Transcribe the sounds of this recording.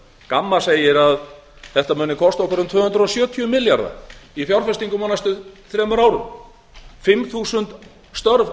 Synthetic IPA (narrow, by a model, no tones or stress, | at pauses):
kamːaseːjɪɾað | θɛht̪amʏːnɪkʰɔst̪aɔkɾʏmt̪ʰvʏːhʏnd̪ɾɔsjœːt̪ʰyʏmɪljaɾða̰ifjawɾfɛst̪iŋkʏmaːnast̪ʏθɾɛːmʏɾaːwɾʏm | fɪmθuːsʏnt̪ | st̪œɾv